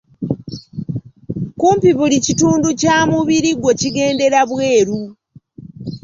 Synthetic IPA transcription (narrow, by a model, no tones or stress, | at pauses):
kuːmpiβulicituːnducaːmuβiɾiɡwe̞ciɡe̞ːnde̞ɾaβwe̞ːɾu